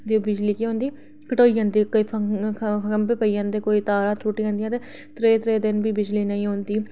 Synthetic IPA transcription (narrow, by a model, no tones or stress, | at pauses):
d̪ibɪd͡ʒliːkiɦõːnd̪iː | kəʈoːiːə̃ːnd̪iːkoi | pʰəkəmpepəiːə̃ːnd̪eːkoːiːt̪aːɾãːt̪ɾuːʈiːɦãnd̪ijãːt̪eː | t̪ɾeːt̪ɾeːd̪ɪnbiːbɪd͡ʒliːnəĩːɦoːnd̪iː